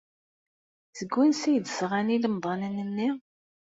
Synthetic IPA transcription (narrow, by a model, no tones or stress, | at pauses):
zəɡʷːænsæjd̪əsʁaniləmðˤɑnənənːi